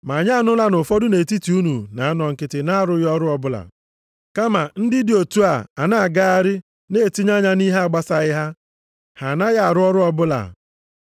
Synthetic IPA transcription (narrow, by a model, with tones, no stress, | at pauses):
ma˨ɲa˦nʊ˦la˦nʊ˨fɔ˦dʊ˦ne˨ti˦ti˨u˦nu˨na˨˦nɔ˨ŋ̩˨kɪ˨tɪ˨na˦˨ɾʊ˦jɔ˦ɾʊ˦ɔ˦bʊ˦la̰˨ | ka˦ma˨n̩˦dɪ˦dɪ˨o˨tu˦a˨a˨na˦a˨ɡa˦a˦ɾɪ˦ | ne˦˨ti˦ɲa˦ɲa˦ni˦ɦa˦˨ɡ͡ba˦sa˨ɪ˦ɦa˦ | ha˨na˦ja˦a˨ɾʊ˦ɔ˦ɾʊ˦ɔ˦bʊ˦la̰˨